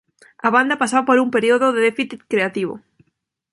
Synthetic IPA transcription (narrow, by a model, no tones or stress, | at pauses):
aβand̪apasaβapoɾumpeɾioðoðeðefiθit̪kɾeat̪iβ̞o̰